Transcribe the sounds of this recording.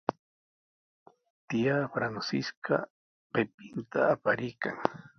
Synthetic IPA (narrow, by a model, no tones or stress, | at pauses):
t̪ijafɾansɪska | pepɪnt̪aːpaɾɪjkaŋ